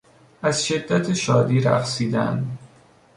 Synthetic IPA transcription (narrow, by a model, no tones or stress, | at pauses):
æzʃe̞d̪ːæt̪ʰeʃɒːd̪iːɾæ̰xsiːd̪æ̰nd̪